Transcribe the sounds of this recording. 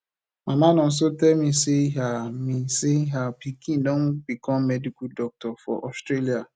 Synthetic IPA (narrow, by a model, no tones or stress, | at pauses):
mamanɔ̃n̩s̬otɛlmiseɦamiseɦapikʰĩndɔ̃nbikʰɔ̃mːɛdikudɔk̚tɔfɔ̰ʔɔstɾelia